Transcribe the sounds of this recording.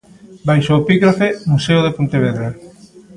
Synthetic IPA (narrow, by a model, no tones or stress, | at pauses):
bajʃoepiɣɾafemuseoðepont̪eβ̞eðɾa